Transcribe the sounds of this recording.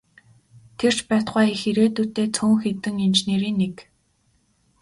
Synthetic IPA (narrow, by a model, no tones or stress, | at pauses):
t̪ʰer̥t͡ɕpæːt̪χaːixeɾeːt̪uːt̪eːt͡sʰuːŋxet̪ɘ̆ŋint͡ɕneːɾiːnːek